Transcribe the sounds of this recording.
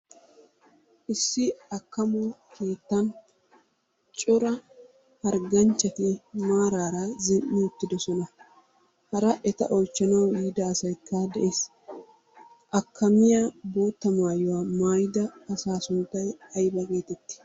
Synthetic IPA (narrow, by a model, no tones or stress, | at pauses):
ʔɪsːɪɐkːɐmɔkʰe̞ːt̪ːɐn | t͡ʃʼɔɾɐ | ɐɾɡɐnt͡ʃːɐt̪ɪmaːɾaːɾɐzɪnʔːɪʊt̪ːɪd̪ɔsɔnɐ | hɐɾɐʔɛt̪ɐ̰ʔɔjt͡ʃːɐnɐwjiːd̪ɐːsɐjkːad̪ɛʔe̞ːs | ʔɐkʰːɐmɪjabo̞ːt̪ːɐmaːjʊwamaːjd̪ɐːsaːsʊnt̪ːɐjɐjbɐke̞ːt̪ɛt̪ːɪ̥